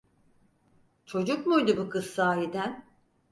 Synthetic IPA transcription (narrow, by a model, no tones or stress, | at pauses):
t͡ʃʰo̞d͡ʒukmujd̪ubukʰɯzsaːɦid̪æn